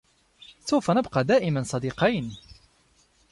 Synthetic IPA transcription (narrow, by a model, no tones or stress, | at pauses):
suwfænəbqɑd̪aːʔɪmansˤɑd̪iqɑjn